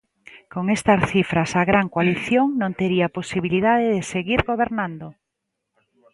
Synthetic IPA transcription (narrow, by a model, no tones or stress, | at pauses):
koŋest̪ɐsθifɾasaɣɾaŋkwaliθjoŋnõnt̪eɾiaposiβiliðaðeðeseɣiɾɣoβeɾnãnd̪o